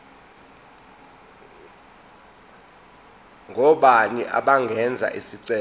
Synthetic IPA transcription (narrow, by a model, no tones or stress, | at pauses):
ŋʱɔɓaniʔa̰ɓaŋɡʱɛnd͡zʱa̰ʔisiǀɛ